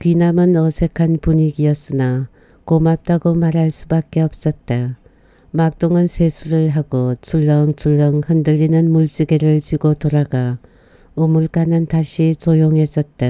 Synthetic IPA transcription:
kɥinamɯnʌsʰe̞kʰanpuɲiɡiʌs͈ɯna | komap̚t͈aɡomaɾɦaɭs͈ubak̚k͈e̞ʌp̚s͈ʌt̚t͈a | mak̚t͈oŋɯnsʰe̞sʰuɾɯɭɦaɡot͡ɕʰuɭːʌŋt͡ɕʰuɭːʌŋhɯndɯʎːinɯnmuɭt͡ɕ͈iɡeɾɯɭt͡ɕiɡotoɾaɡa | ɯmuɭk͈anɯntaɕʰit͡ɕojoŋɦe̞s͈ʌt̚t͈a

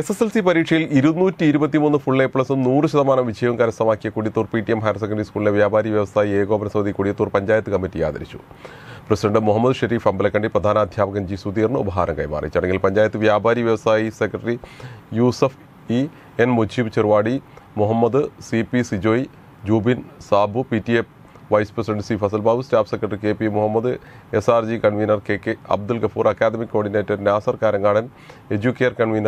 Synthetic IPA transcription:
eseselsipɐɾiːʈʂɐjiliɾunːuːtːɨiɾubɐt̪ːimuːnːɨfuɭːeːpɭɐsɨnuːrɨɕɐðɐmaːnɐmʋid͡ʑʰʱɐjɐʋɐŋkaːɾɐsɐmaːkːijɐkuɽijɐt̪ːuːrpiʈːiemɦaːjɾs̬ekːɐɳɖɐɾiskuːɭileʋjaːbʱaːɾiʋjɐʋɐsaːjieːɣo̞ːmɐnɐsɐmɐd̪ikuɽijɐt̪ːuːrpɐɲd͡ʑaːjɐt̪ːɨkɐmːitːija̰ːd̪ɐ̰ɾit͡ɕːu̥̰ | prɐsidɐɳɖɨmuɦɐmːɐd̪ɨʂɐɾiːfɐmbɐlekːɐɳɖiprɐd̪ʱaːnɐːd̪ʱjaːbɐɣɐmd͡ʑiːsud̪iːrɳɨṵbɐɦa̰ːɾɐ̰ŋkɐjma̰ːrḭt͡ɕːuɐɽeŋɡilpɐɲd͡ʑaːjɐt̪ːɨʋjaːbʱaːɾiʋjɐʋɐsaːjisekrɐʈɐrijuːsɐf | i | enmod͡ʑʱibt͡ɕerʋaːɽimuɦɐmːɐd̪ɨsipisid͡ʑoːji | d͡ʑuːbinsaːbʱupitːief | ʋɐjsprɐsiɖeɳɖsiːfɐs̬ɐlbaːʋustaːfsekːrɐʈɐrikeːpimuɦɐmːɐd̪ɨ | esaːrd͡ʑikɐɳʋiːnɐrkeːkːeɐ̰b̚d̪ulɡɐfuːrʔɐkːaːd̪ɐmikːo̞ːɳɖineːtːɐɾnjaːsɐrkaːɾɐŋɡaːɽɐn | e̞d͡ʑukːeːrkɐɳʋiːnɐ

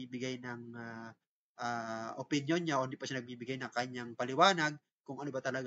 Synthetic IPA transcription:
iːbɪɡajnɐŋa | ʔaʔopɪnjonɲaʔohɪnd̪iːpɐʃanɐɡ̚biːbɪɡajnɐŋkɐɲaŋpɐlɪwaːnɐɡ̚ | kʊŋɐnobat̪ɐlɐɡ

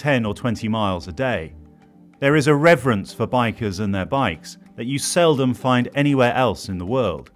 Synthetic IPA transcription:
tʰɛ̃nətʰw̥ɛ̃ntʰimaɪlˠzədeɪ | ðə˞ɨzəɹɛvɹə̃nsfə˞baɪkə˞zə̃nðəbaɪks | ðɨt͡ʃɨsɛlˠdə̃ɱfãɪ̃ndɛɾ̃iwɛɹʔɛlˠsɨ̃nðəwɜːlˠd̥

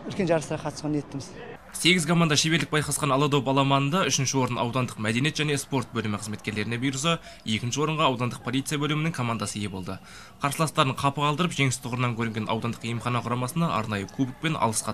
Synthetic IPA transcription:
ʏlkʲe̞nʒɑɾəsəɾɑqʰɑt̪əsɑnjet̪ːɪmɪz | se̞ɡʲɪzkʰo̞mand̪ɑʃebe̞ld̪ɪk̚bɑjqɑsqɑnɑlˠɑd̪opɑlˠɑmɑnənd̪ɑʏʃɪnʃɪwo̞ɾənɑ̰wd̪ɑnd̪əqmæd̪e̞njet̪ʒæne̞spo̞ɾt̪̚bɵlɪmɪqʰəzme̞t̪kʲe̞ɾle̞ɾɪne̞bujɾəs̬ə | je̞kʲɪnʃɪwo̞ɾəɴʁɑɑwd̪ɑnd̪əq̚pʰo̞lijt̪sɨjabɵlɪmɪnɪŋkʰo̞mand̪ɑsəje̞bo̞lˠd̪ə | qʰɑɾsəlˠɑst̪ɑɾəɴqʰɑpəʁɑlˠd̪əɾəpʒe̞ŋɪst̪ʰʊʁəɾənɑŋkʲʰɵɾɪŋɡʲe̞nʔɑ̰wd̪ɑnd̪ə̥qijəmχɑnɑqʰʊɾɑmɑsənd̪ɑʔɑ̰ɾnɑjəkʰubɪk̚pe̞nʔɑ̰lˠəsqɑ

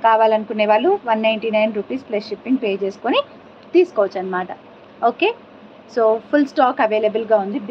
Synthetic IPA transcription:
kaːʋaːlɐnukunːeːʋaːɭːuʋɐnːɐjɳʈiːnɐjnɾuːpiːsplesʂipːiŋɡpeːt͡ʃe̞ːsu̥koni | t̪iːsu̥koːʋɐt͡ʃːɐnːɐmaːʈɐ | oːkeː | soːpʰulsʈaːkɐʋeːlɐbɐlɡaːund̪ib

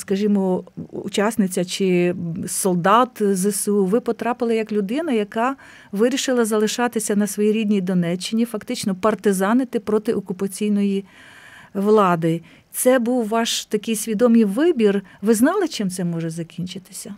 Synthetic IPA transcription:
skɐʒimɔṵt͡ʃɑsnɪt͡sʲɐt͡ʃɪsɔlˠd̪ɑt̪zɪsʋɪpɔt̪ɾɑpɪlˠɐjɐklʲʊd̪ɪnɐjɐkɑ | ʋɪɾʲiʃɪlˠɐzɐlˠɪʃɑt̪ɪsʲɐnɐsʋɔjiɾʲid̪ʲnʲijd̪ɔnɛt͡ʃːɪnʲifɐkt̪ɪt͡ʃnɔpɐrt̪ɪzɑnɪt̪ɪpɾɔt̪ɪʔɔkʊpɐt͡sʲijnɔji | ʋlˠɑd̪ɪ | t̪sɛbuwʋɑʃt̪ɐkɪjsʲʋʲid̪ɔmɪjʋɪbʲirʋɪznɑlˠɪt͡ʃɪmt̪sɛmɔʒɛzɐkʲinʲt͡ʃɪt̪ɪ̥sʲɐ

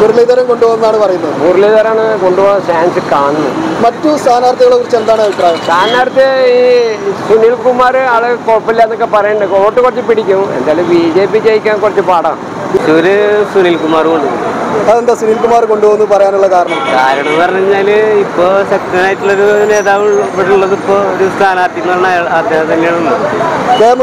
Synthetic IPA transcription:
kuɾilɐjðɐɾɐmkoɳɖuʋoːɣnðaːɳɨpɐrɐjunːɐðpurleðɐɾaːɳɨko̞ɳɖuʋoːnːfaːnsɨkaːɳɨnːɐmɐtːust̪ʰaːnaːɾt̪ːɐɣɐɭokrit͡ɕːend̪aːɳaʋipɾaːjɐmst̪ʰaːnaːrt̪jɐiːsuniːlkumːaːrɨaːɭɨkoːpːilːɐenːokːepɐrɐjɐɳɖkoːʈːɨkurɐt͡ɕːɨpiɽikʲːumḛnd̪aːjɐlumbiːd͡ʑeːpit͡ɕejikʲːaːnkurɐt͡ɕːɨpaːɽa̰ː | t͡ɕːuoɾɨsuniːlkumaːrkoɳɖɨɐðend̪aːsuniːlkumaːrko̞ɳɖuboːɣunːpɐrɐjaːnuɭːɐkaːɾɐɳɐmkaːɾɐɳɐmɐrɐɲiɲːaːlipːoːsɐk̚ʈɐnaːjʈːuɭːoɾune̞ːðaːʋipːɐɽuɭːɐðipːoːoɾust̪ʰaːnaːrt̪iŋːɐɭɳaːjɭaːd̪ʱjeːɦɐmt̪ɐnːeɭuːɐd̪eːm

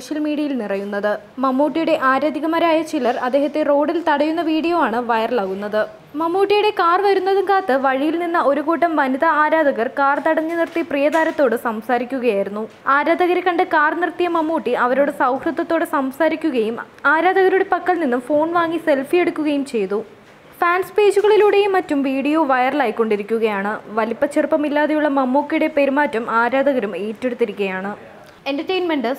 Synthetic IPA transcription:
soːɕjɐlmiːɽiɐjilnirɐjunːɐðɨ | mɐmːuːʈːijuɽe̞ʔaːɾaːd̪ʱiɣɐmɐɾaːjɐt͡ɕilɐrɐd̪ːe̞ːɦɐt̪ːero̞ːɽilt̪ɐɽɐjunːɐʋiːɽijoːaːɳɨʋɐjɐrlaːɣunːɐðɨ | mɐmːuːʈːijuɽe̞kaːrʋɐɾunːɐðɨŋɡaːt̪ːɨʋɐɻijilninːɐo̞ɾuɣuːʈːɐmʋɐnid̪ɐaːɾaːd̪ʱɐɣɐrkaːrt̪ɐɽɐɲːɨnirt̪iprijɐd̪aːɾɐt̪ːo̞ːɽɨsɐmsaːɾikʲːuɣɐjaːjiɾunːu | aːɾaːd̪ʱɐɣɐɾekɐɳɖɨkaːrnirt̪ijɐmɐmːoːʈːiʔɐʋɐɾoːɽesɐwkrɨd̪ːɐt̪ːo̞ːɽɨsɐmsaːɾikʲːuɣɐjum | aːɾaːd̪ʱɐɣɐɾuɽepɐkːɐɭninːumfo̞ːɳʋaːŋːise̞lfije̞ɽukʲːuɣɐjumt͡ɕe̞jt̪u | faːnspe̞ːd͡ʑuɣɐɭiluːɽe̞jmɐtːumʋiːɽijo̞ːʋɐjɐrlaːjikːo̞ɳɖiɾikʲːuɣɐjaːɳɨʋɐlipːɐt͡ɕːirpɐmilːaːðejuɭːɐmɐmːoːkːijuɽe̞pe̞ɾumaːtːɐmaːɾaːd̪ʱɐɣɐɾumeːtːeɽut̪ːiɾikʲːɐjaːɳɨ | endɐrʈejnmeɳɖɨ

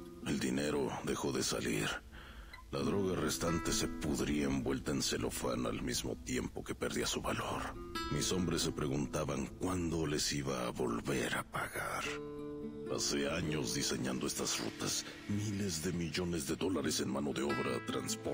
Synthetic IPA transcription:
e̞ld̪ine̞ɾo̞ðe̞xo̞ðe̞sa̰lḭɾ | laðɾo̞ɣare̞st̪ant̪e̞se̞puðɾiaembwe̞lt̪aense̞lo̞̰fa̰na̰lmizmo̞̰t̪je̞mpo̞ke̞̥peɾðiasuβalo̞ɾmiso̞mbɾe̞sːe̞pɾe̞ɣunt̪aβaŋkwand̪o̞le̞siβaːβo̞lβe̞ɾapaɣaɾ | ase̞aɲo̞zðise̞ɲand̪o̞e̞st̪azrṵt̪as | mile̞zðe̞miʝo̞nezðeðo̞laɾe̞se̞nmano̞ðe̞o̞βɾat̪ɾa̰nspo

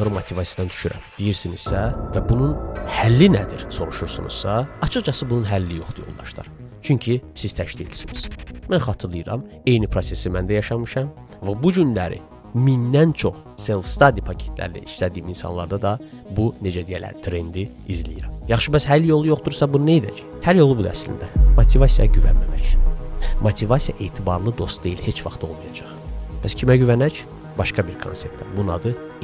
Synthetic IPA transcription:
ɾɯmot̪ʰivɑsijɑd̪ɑnd̪y̥ʃyɾæ̰md̪̥ijiɾsiniz̥sævæbununhælːinæd̪iɾso̞ɾuʃuɾsunṵz̥sɑɑt͡ʃʰɯχt͡ʃɑsɯbununɦælːijo̞χd̪ujo̞lˠd̪ɑʃd̪ɑ̰ɾt͡ʃʰyɲcʰisiz̥t̪ʰæʃliilsiniz̥mænχɑt̪ʰɯɾlˠɯjɯɾɑ̰m | e̞jnipʰɾo̞se̞simænd̪æjɑʃɑmɯʃɑm | væbud͡ʒynlæɾḭ | mind̪ænt͡ʃʰo̞χ | se̞lˠfst̪ɑd̪ipʰɑcʰe̞̥t̪ʰlæ̰ɾlæ̰ʔiʃlæd̪iːminsɑ̰nlˠɑ̰ɾd̪ɑd̪ɑ | bune̞d͡ʒæd̪ijælæ̰ɾt̪ʰɾe̞nd̪i | izlijiɾæmjɑχʃɯbæshæljo̞lˠujo̞χd̪uɾsɑbununejid̪æ̰ci̥ | hæɾjo̞lˠubud̪æ̰slḭnd̪æmot̪ʰivɑsijɑɟyvæ̰nmæmæc | mot̪ʰivɑsijɑ̰ʔeːt̪ʰibɑɾlˠɯd̪o̞st̪̚d̪e̞jilhe̞t͡ʃvɑχt̪o̞lˠmɑjɑd͡ʒɑχbæscʰimæɟyvænæc | bɑʃkɑbiɾkʰonse̞p̚t̪ʰːæbunɑ̰d̪ɯ

